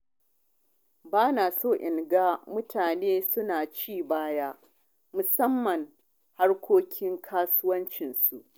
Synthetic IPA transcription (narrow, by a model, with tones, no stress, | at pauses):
baː˦naː˨soː˦˨ʔɪ˨ŋɡaː˦mʊ˦tʰaː˨neː˦sʊ˦naː˨t͡ʃiː˦˨baː˦jaː˦ | mʊ˨sɐ˦mːɐ˨ŋ | ha˦rkʷʰoː˦kʲʰɪ˦ŋkʰaː˦sʊ˦wɐ˦nt͡ʃɪ˨nsu˨ʔ